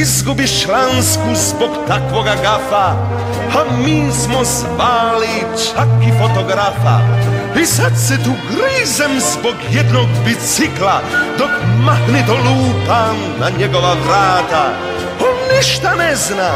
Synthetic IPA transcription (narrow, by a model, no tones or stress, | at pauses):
izɡubiʃlanskuzbɔkt̪akwɔɡaɡafa | amismɔz | vali | t͡ʃakːifɔt̪ɔɡɾafa̰pisatsɛt̪uɡɾizɛmzbɔkjɛd̪nɔɡbit͡sɪklad̪ɔkmaxnɪt̪ɔluːpanːaɲɛɡɔvavɾaːt̪a | ɔnːɛʃt̪anɛzna